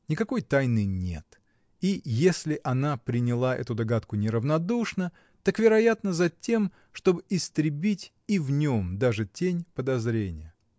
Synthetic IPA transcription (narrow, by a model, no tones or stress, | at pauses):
nʲɪkɐko̞jt̪ajnɨnʲḛt̪ | ijesʲlʲɪʔɐnapɾʲɪnʲɪlˠaʔɛ̰t̪ʊd̪ɐɡat̪kʊnʲɪɾəvnɐd̪uʂnə | t̪akvʲɪɾɐjat̪nəzɐtʲe̞m | ʂt̪o̞bɨʔɪst̪ɾʲɪbʲitʲ | ivnʲo̞md̪aʐɨtʲenʲpəd̪ɐzɾʲenʲɪjə